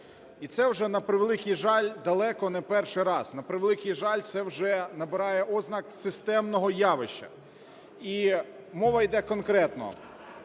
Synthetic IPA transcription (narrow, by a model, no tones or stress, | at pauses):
it̪sɛwʒɛnɐpɾɪʋelˠɪkʲijʒɑlʲd̪ɐlˠɛkɔnɛpɛrʃɪjɾɑz̥nɐpɾɪʋelˠɪkʲijʒɑlʲt̪sɛwʒɛnɐbɪɾɑjɛʔɔznɐksɪst̪ɛmnɔɦɔjɑʋɪʃt͡ʃːɐ̰ | i | mɔʋɐjd̪ɛkɔnkɾɛt̪nɔ̰